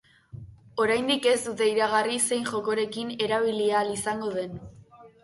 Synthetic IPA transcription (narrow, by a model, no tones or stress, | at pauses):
o̞ɾajnd̪ike̞zt̪ut̪e̞iɾaɣ̞arise̞jnʝo̞ko̞ɾe̞kine̞ɾaβ̞ilialisaŋɡo̞ð̞e̞n